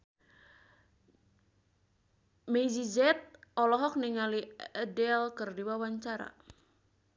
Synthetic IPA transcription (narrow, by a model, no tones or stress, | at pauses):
med͡ʒid͡ʒɛt̪̚ʔɔlɔɦɔk̚niŋaliɛdɛlkɨrdiwawaɲt͡ʃaɾa̰